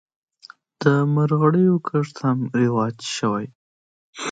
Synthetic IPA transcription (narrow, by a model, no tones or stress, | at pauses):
d̪̥əmaɾɣaɽəjokʰəʂt̪hamɾɪwɑd͡ʒʃəwaj